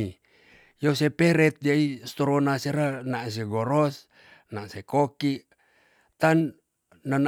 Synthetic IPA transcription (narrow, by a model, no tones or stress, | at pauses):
i | josepɛɾɛt̪̚d͡ʒiaist̪oɾonaseɾanas̬eɡoɾɔs | naʔsekoki | t̪anː | ən